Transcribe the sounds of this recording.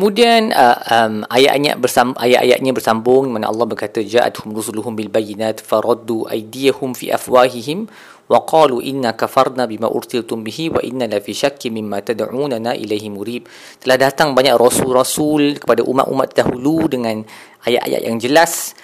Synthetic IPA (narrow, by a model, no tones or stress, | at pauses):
kkəmũdianəəmaja̰ʔɲa̰ʔbərsaʔajaʔa̰ja̰ʔɲãbərsambʊŋdimana̰ʔɑ̰lːɑhbərkat̪ad͡ʒaːʔa̰t̪hʊmrusuluɦʊmbilbajinaːt̪faɾˤɑd̪ːuʔa̰jdijahʊmfḭːʔa̰fwaːɦiɦɪm | waqɑːluʔinːakafarˤnabimã̰ʔʊ̰ɾsilt̪ʊmbiɦiwa̰ʔinːalafiʃakːimɪmːãt̪adʕuːnanaʔḭlajhimuɾiːp̚ | t̪əlahdat̪aŋbaɲaʔrɔsurɔsulkə̥padaʔṵma̰ʔṵma̰t̪̚daɦuludəŋãn | ʔaja̰ʔa̰ja̰ʔjʔaŋd͡ʒəlas